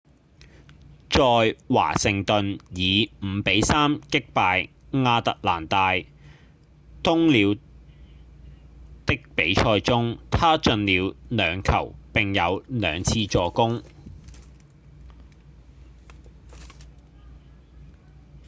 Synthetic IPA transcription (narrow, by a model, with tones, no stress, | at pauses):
t͡sɔː˨˧jwa̰ː˨˩sɪ˨ŋt̪ɵ˨njiː˨˧m̩˨˧pe˨˥jsaː˥mkɪ˥k̚paː˧j | ŋaː˧t̪ɐ˨k̚laː˨˩nt̪aː˨˧j | t̪ʊ˥ŋliː˨˧w | t̪ɪ˥k̚pe˨˥jt͡ʃʰɔː˧jt͡sʊ˥ŋt̪ʰaː˥t͡sɵ˧nliː˨˧wlœː˨˧ŋkʰɐ̰˨˩wpɪ˨ŋjɐ˨˧wlœː˨˧ŋt͡sʰiː˧t͡sɔː˧kʊ˥ŋ